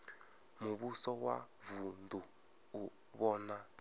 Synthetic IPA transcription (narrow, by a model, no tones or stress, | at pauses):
muβusɔwa̰vunduː | βɔna